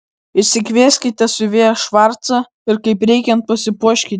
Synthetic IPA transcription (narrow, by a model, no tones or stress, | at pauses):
ɪʃʲsʲɪkʲʋʲiːsʲkʲɪt̪ʲɛsʊʋʲeːjɐʃʋɐɾt̪sɐ | ɪɾkɐɪpɾʲɛɪkʲɛnt̪̚pɐsʲɪpuɔʃʲkʲi